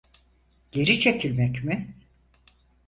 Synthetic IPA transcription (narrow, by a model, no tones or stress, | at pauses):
ɟ̥e̞ɾit͡ʃʰe̞cʰilʲmɛcmɪ